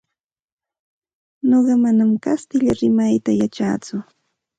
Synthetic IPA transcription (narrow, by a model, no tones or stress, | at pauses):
noɢɑmanamkast̪ɪʎaɾɪmajt̪ajat͡ʃa̰ːt͡sʊ